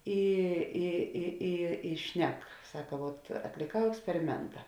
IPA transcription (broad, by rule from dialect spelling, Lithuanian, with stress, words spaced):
ˈɪ ɪ ɪ ˈɪ ɪ ˈʃʲnʲɛk ˈsɑːkɐ ʋuɔt ɐtʲlʲeːˈkɐʊ ɛksʲpʲɛrʲɪˈmʲɛntɐ